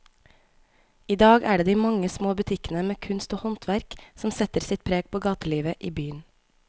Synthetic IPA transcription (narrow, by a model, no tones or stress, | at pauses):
iːd̪ɑːɡæːɖeːd̪iːmɑŋəsmoːbʉt̪ʰɪkənəmeːkʰʉnst̪oːhɔnt̪ʰʋæɾksɔm̩sɛt̪əɾsɪt̪̚pʰɾeːɡ̚pʰoːɡɑːt̪əliːʋəʔiːbyːən